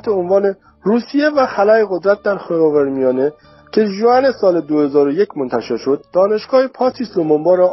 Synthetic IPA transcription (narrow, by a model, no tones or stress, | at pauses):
t̪eonvɒːne̞ | ruːsije̞væxælæeɣod̪ɾæt̪̚d̪æɾxːvæɾmijɒːne | cʰe̞ʒoæne̞sɒːle̞d̪ohe̞zɒːɾojecʰmo̞nt̪ʰæʃe̞ɾʃo̞d̪̚ːɒːne̞ʃɡ̥ɒːhepʰɒːt̪ʰiːslomombɒːɾɒ